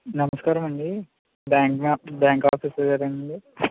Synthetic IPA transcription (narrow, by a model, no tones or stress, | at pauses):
nɐmɐskaːɾɐmɐɳɖi | bjaːŋkmabaːŋkaːpʰiːsɐd͡ʒɐɾɐɳɐɳɖi